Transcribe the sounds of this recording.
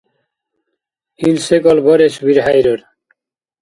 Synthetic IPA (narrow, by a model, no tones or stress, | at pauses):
ilsekɔlbɔɾesbiɾɦajɾɔɾ